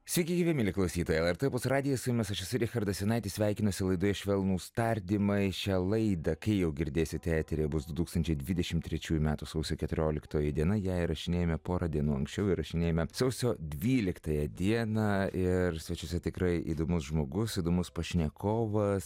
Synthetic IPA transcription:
sʲʋʲiɪkʲɪɡʲiːʋʲɛmʲɪːlʲɪklˠɐʊsʲiːt̪oːjɛlˠɛɾt̪ɛpʊsrɑːd̪ʲɪjɛsʊjʊmʲɛsɐʃjɪsʊɪɾʲixɐɾd̪ɐsʲɛnɐɪt̪ʲiːsʲʋʲæɪkʲɪnoːsʲɪlˠɐɪd̪ojɪʃʲʋʲɛlˠnuːst̪ɐɾʲd̪ʲɪmɐɪʃʲɛlˠɐɪd̪ɐkɐɪjɛʊɡʲɪɾʲd̪ʲeːsʲɪt̪ʲæːt̪ʲeɾʲebʊsd̪ʊt̪uːkst̪ɐnʲt͡ʃʲɛɪd̪ʲʋʲɪd̪ʲɛʃʲɪmt̪ʲɾʲɛt͡ʃʲuːjumʲæːt̪usɐʊsʲoːkʲɛt̪ʊɾʲoːlʲɪkt̪oːjɛd̪ʲiɛnɐjɛɪɾɐʃʲɪnʲeːjoːmʲɛpoːɾɑdʲiɛnuːɐ̰ŋksʲt͡ʃʲɛʊɪrɐʃʲɪnʲeːjomʲɛsɐʊsʲoːd̪ʲʋʲiːlʲɪkt̪ɐjɛd̪ʲiɛnɑɪɾsʲʋʲɛt͡ʃʲʊsʲɛt̪ʲɪkɾɐɪʔḭːd̪oːmʊsʒmoːɡʊsid̪oːmʊspɐʃʲnʲɛkoːʋɐs

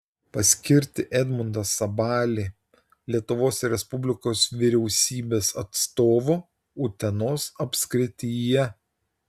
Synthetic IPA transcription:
pɐsʲkʲɪɾʲt̪ʲɪʔɛd̪ʲmʊnd̪ɐsɐbɑːlʲiː | lʲiɛt̪ʊʋoːsɾʲɛspʊbʲlʲɪkoːsʋʲɪɾʲɛʊsʲiːbʲeːsɐt̪st̪oːʋʊ | ʊt̪ʲɛnoːsɐpʲsʲkɾʲɪt̪ʲijɛ

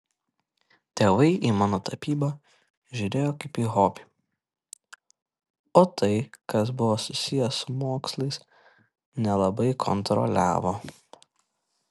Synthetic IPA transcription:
t̪ʲeːʋɐɪʔiːmɑːnoːt̪ɐpʲiːbɐ | ʒʲʊɾʲeːjoːkɐɪpiːɦoːpʲi̥ | oːt̪ʰɐɪkɐs̬bʊʋoːsʊsʲɪjɛsʊmoːkslˠɐɪs | nʲɛlˠɐbɐɪkʰɔ̰nt̪ɾɔ̰lʲæ̰ːʋoː

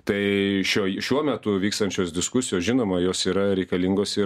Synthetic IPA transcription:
t̪ɐɪʃʲoːʃʲuɔmʲɛt̪ʊʋʲiːkst̪ɐnʲt͡ʃʲoːsd̪ʲɪskʊsʲɪjoːsʒʲɪnoːmɐjoːsiːɾɐɾʲɛɪkɐlʲɪŋɡoːsɪ

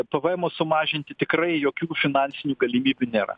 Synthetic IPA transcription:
pɐʋɛɛmosʊmɑːʒʲɪnʲt̪ʲɪt̪ʲɪkrɐɪjoːkʲuːfʲɪnɑːnʲsʲɪnʲuːɡɐlʲimʲiːbʲuːnʲeːɾɐ̰

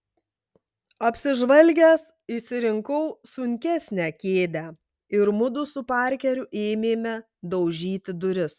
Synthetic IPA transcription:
ɐpʲsʲɪʒʋɐlʲɡʲæs | iʃsʲɪɾʲɪŋkɔʊsʊŋʲkʲæˑsʲnʲæːkʲeːd̪ʲæː | ɪɾmʊd̪ʊsʊpɑˑɾʲkʲɛɾʲʊʔeːmʲeːmʲɛ | d̪ɐʊʒʲiːt̪ʲɪd̪ʊɾʲɪs

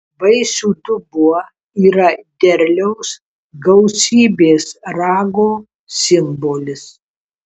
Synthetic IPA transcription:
ʋɐɪsʲuːd̪ʊbuɔ | iːɾɐd̪ʲɛɾʲlʲɛʊs | ɡɐʊsʲiːbʲeːsɾɑːɡoː | sʲɪmboːlʲɪs

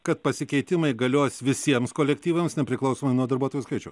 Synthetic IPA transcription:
kɐt̪̚pɐsʲɪkʲɛɪt̪ʲɪmɐɪɡɐlʲoːsʲʋʲɪsʲiɛmskoːlʲɛkʲt̪ʲiːʋɐmsnʲɛpʲɾʲɪklˠɐʊsoːmɐɪnuɔd̪ɐɾbuɔt̪oːjuskɐɪt͡ʃʲɛʊ

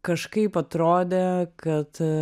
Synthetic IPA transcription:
kɐʃkɐɪpɐt̪ɾoːd̪ʲekɐt̪

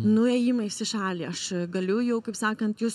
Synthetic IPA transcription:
nʊɛːjɪmɐɪsʲɪʃɑːlʲiːɐʃɡɐlʲʊjɛʊkɐɪpsɑːkɐnt̪jʊs

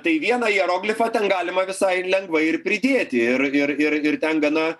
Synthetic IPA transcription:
t̪ɐɪʋʲiɛnɐiɛɾoːɡlʲɪfɐt̪ʲɛnɡɑːlʲɪmɐʋʲɪsɐɪlʲɛŋɡʋɐɪɪɾpʲɾʲɪd̪ʲeːt̪ʲɪɪɾɪɾɪɾɪɾt̪ʲɛnɡɐnɐ

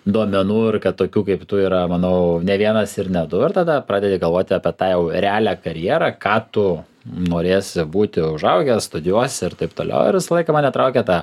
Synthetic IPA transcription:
d̪oːmʲɛnuːɪɾkɐt̪̚t̪oːkʲuːkɐɪpt̪ʊiːɾɐmɐnɐʊnʲɛʋʲiɛnɐsɪɾnʲɛd̪ʊɪɾt̪ɐd̪ɐpɾɑːdʲɛd̪ʲɪɡɐlˠʋoːt̪ʲɪɐːpʲiɛt̪ɑːjɛʊɾʲɛɑːlʲækɐɾʲjiɛɾɑkɑːt̪ʊ | noːɾʲeːsʲɪbuːt̪ʲɪʊʒɐʊɡʲɛsst̪ʊd̪ʲɪjuɔsʲɪɾt̪ɐɪpt̪oːlʲɛ̰ʊɪ̰ɾʋʲɪsɐlˠɐɪkɐmɑːnʲɛt̪ɾɐʊkʲɛt̪ɑː

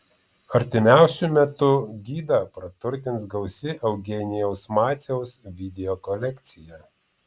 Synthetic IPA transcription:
ɐɾʲt̪ʲɪmʲæˑʊsʲʊmʲɛt̪ʊɡʲiːd̪ɐpɾɐt̪ʊɾʲt̪ʲɪnsɡɐʊsʲɪʔɐʊɡʲɛːnʲɪjɛʊsmɑːt̪sʲɛʊsʋʲɪd̪ʲɛokɔlʲɛkʲt̪sʲɪjɛ

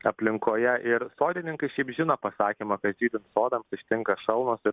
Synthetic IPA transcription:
ɐpʲlʲɪŋkoːjɛʔɪɾsoːd̪ʲɪnʲɪŋkɐɪʃʲɛɪpʒʲɪnɐpɐsɑːkʲiːmɐkɐt̪ʒʲiːd̪ʲɪnt̪soːd̪ɐmsɪʃʲt̪ʲɪŋkɐʃɐlˠnoːsɪ

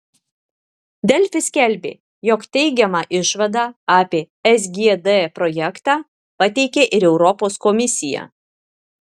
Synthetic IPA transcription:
d̪ʲɛlʲfʲɪsʲkʲɛlʲbʲḛː | jɔkt̪ʲɛɪɡʲɛmɑːʔɪʃʋɐd̪ɑːɑːpʲeː | ɛs̬ʲɡʲiɛd̪ɛpɾɔjɛkt̪ɑː | pɐt̪ʲɛɪkʲeʔɪɾɛʊɾɔpoːskɔmʲɪsʲɪjɛ̰

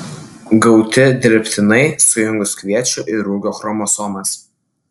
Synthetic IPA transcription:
ɡɐʊt̪ʲɪd̪ʲɪɾʲpʲt̪ʲɪnɐɪsʊjʊŋɡʊskʋʲiɛt͡ʃʲʊʔɪɾuːɡʲoːxɾɔmoːsɔmɐs

